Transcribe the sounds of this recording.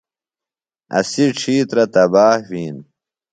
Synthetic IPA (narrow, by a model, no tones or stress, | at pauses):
ɐ̰siʈ͡ʂʰiːt̪ɾɐt̪ɐbaːhwiːn